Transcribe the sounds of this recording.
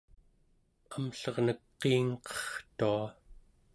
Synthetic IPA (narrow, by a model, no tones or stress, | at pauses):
amɬʌʁnəkqːiːŋqʌ̥χt̪ua